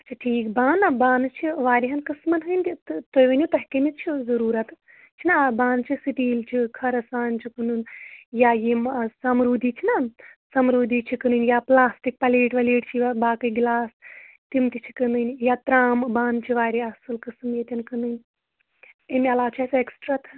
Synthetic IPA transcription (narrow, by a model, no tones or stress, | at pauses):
t͡ʃʰiʈʰiːkbaːnɐbaːnt͡ʃʰiʋaːɾʲiɦɐnkɨsmɐnɦɨnʲtt̪ojʋɐnʲjut̪ɐɦʲkɐmit͡ʃʰizɐɾuːɾɐt̪ | t͡ʃʰinabaːnt͡ʃʰisiʈiːlt͡ʃʰikʰɐɾɐsaːnt͡ʃʰikɨnunjajimsɐmɾuːd̪ʱiːt͡ʃʰinasɐmɾuːd̪it͡ʃʰikɨnɨnjaplaːsʈik̚pɐleːʈʋɐleːʈt͡ʃʰibaːkɨɡlaːs | t̪imt̪it͡ʃʰi̥kɐnɨnʲjaːt̪ɾaːmbaːnt͡ʃʰiʋaːɾʲiɐsɨlkɨsmjet̪ʲɐnkɨnd̪ɨnʲ | emʲiɐlaːt͡ʃʰɐseksʈɾat̪ʰ